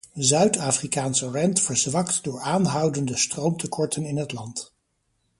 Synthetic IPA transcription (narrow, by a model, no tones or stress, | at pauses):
zœɥtaːfrikaːnsərɛntfəɹzʋɑktdʊːɹaːnɦɑwdəndəstrowmtəkʰɔɹtənɪnɦətlɑnt